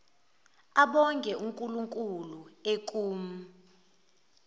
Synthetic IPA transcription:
aɓɔŋkʼɛuŋkʼuluŋkʼuluek̬ʼuːm̩

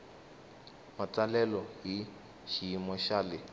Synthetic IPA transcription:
mat͡salɛlɔɦi | ʃijimwɛʃalɪ

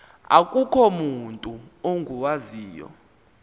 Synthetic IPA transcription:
a̰kʼukʰɔmuntʼuoŋɡʱuwaziːjɔ̰

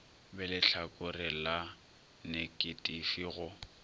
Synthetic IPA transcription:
bɛlɪɬʰakʼʊrɪla | nekʼɪtʼifiɣʊ

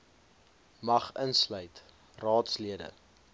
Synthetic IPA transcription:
mɐχənslœɥt | rɑːtsliədə̰

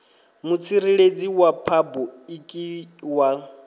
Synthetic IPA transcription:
mut͡sʰiɾiɺed͡ziwapʰabɔikʼiwa

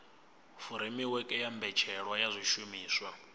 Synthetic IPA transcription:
fuɾimiwɛkʼɛjambɛt͡ʃʰɛɺwajazʷiʃumiːswa

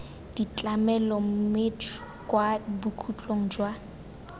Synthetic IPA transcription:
d̥it͡ɬʼamɛlɔm̩me | kʼwabukʰut͡ɬʼoŋ̩d͡ʒwa

